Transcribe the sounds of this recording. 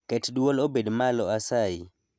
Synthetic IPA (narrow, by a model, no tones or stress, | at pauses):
kɛtdwolobedmalɔasai